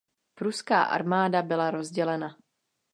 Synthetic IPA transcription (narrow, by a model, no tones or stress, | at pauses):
pɾuska̰ːʔa̰ɾmaːdabɪlaɾo̞zɟɛlɛna